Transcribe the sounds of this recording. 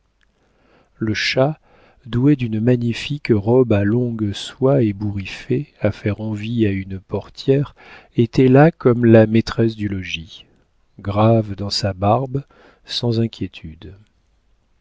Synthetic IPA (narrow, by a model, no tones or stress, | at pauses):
ləʃa | d̪ued̪ynmaɲifikʁɔbalɔ̃ɡswaebuʁifeafɛʁɑ̃viaynpɔʁt̪jɛʁ | et̪ɛlakɔmlamet̪χɛs̬d̪ylɔʒi | ɡʁavd̪ɑ̃sabaʁb | sɑ̃zɛ̃kʲjet̪ʰyd̪